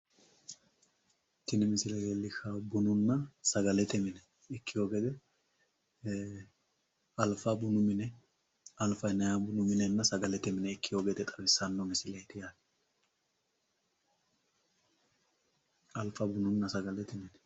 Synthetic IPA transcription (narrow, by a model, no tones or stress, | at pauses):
t̪ːɪnɪmɪsɪlɐɡɛlːɪkʰːɐbʊnʊnːɐsɐɡɐlɛt̪ɛmɪnɛ | ɪkːɪjoːɡɛd̪ɛ | ɐlfabʊnʊmɪnɛ | ɐlfɐjnɐjaːbʊnʊmɪnɛnːɐsɐɡɐlɛt̪ɛmɪnɛɪkːɪjoːɡɛd̪ɛt̪ʼɐbɪsːɐnːɔmɪsɪlɐjt̪ɪjaːk | ɐlfɐbʊnʊnːɐsɐɡɐlɛt̪ɛmɪnɛ